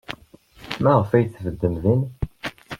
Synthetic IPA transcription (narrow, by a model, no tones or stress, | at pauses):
mæʁəfæjθvəd̪ːəmðin